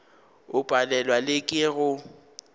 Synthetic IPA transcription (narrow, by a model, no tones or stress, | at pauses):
ʊpʼalɛlwalɪkʼɪɣʊ